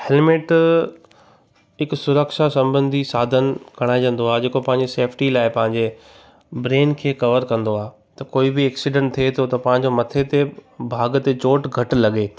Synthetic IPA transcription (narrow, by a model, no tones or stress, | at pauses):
hɛlmeːʈ | ɦɪksʊɾəkʃasɐ̃mbə̃nd̪ʱisaːd̪ʱənɪ̆kɐɽ̃aːĩʋə̃n̆d̪oaːɦed͡ʑeːkopɐ̃ɦɪ̃ɲ̆d͡ʑeseːpʰʈilaːɪpɐ̃ɦɪ̃ɲ̆d͡ʑe | bɾeːnkʰeːkɐʋəɾkɐ̃nd̪oaːɦe | t̪ɐkoːibɪɛːksiɖə̃ɳʈt̪ʰiet̪ʰot̪ɐpɐ̃ɦɪ̃ɲ̆d͡ʑomɐt̪ʰet̪ebʱaːɡt̪et͡ɕoːʈɡʱɐʈlɐɠeː